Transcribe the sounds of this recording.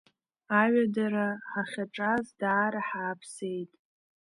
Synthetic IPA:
aɥadaɾaħaχʲaʈ͡ʂʼazdaːɾaħaːpʰse̞jtʼ

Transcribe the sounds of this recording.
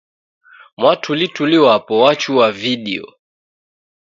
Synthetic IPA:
mwatʰulituliwapɔwat͡ʃuwaviɗiɔ̰

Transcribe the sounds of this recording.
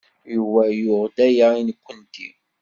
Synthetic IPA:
juwæjʊʁd̪æjainkʷːənt̪i

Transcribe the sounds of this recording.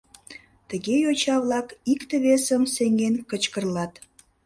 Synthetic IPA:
t̪əɣejot͡ɕɑβlɑkikt̪əβesəmseŋɡenkət͡ɕkərlɑt̪

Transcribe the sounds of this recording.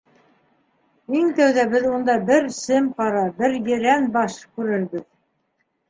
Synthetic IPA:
iŋt̪æwðæbɘðund̪ɑbɘɾsɘmqɑɾɑbɘɾjɘ̆ɾænbɑʃkʉɾɘ̆ɾβɘð

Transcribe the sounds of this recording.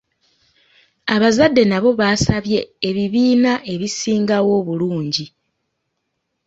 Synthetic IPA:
aβazadːe̞naβo̞βaːsaβje̞ːβiβiːnaʔe̞βisiːŋɡawo̞ːβuluːɲɟi

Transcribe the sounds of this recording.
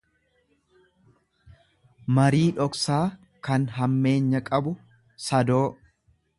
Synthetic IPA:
mɐɾiːᶑɔksaː | kɐnɦɐmːe̞ːɲːɐkʼɐbʊ | sɐd̪oː

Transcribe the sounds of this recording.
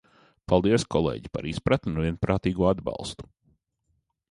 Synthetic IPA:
palˠd̪iɛskʰɔlˠḛːɟipa̰ɾispɾat̪nunuvʲiɛnpɾaːt̪iːɡuɔad̪bɑ̰lˠst̪u̥

